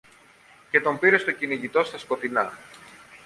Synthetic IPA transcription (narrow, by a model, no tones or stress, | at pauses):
ce̞t̪o̞mbiɾe̞st̪ociniʝit̪o̞st̪ɐsko̞t̪inɐ